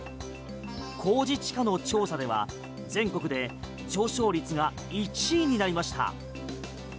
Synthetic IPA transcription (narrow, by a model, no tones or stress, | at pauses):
kʰo̞ːd͡ʑit͡ɕi̥kano̞t͡ɕo̞ːsad̪e̞β̞a̰ | d͡zẽ̞ŋko̞kɯ̟d̪e̞ | t͡ɕo̞ːɕo̞ːɾʲit͡sɨɡa | it͡ɕiːɲ̟inaɾʲimaɕi̥t̪a̰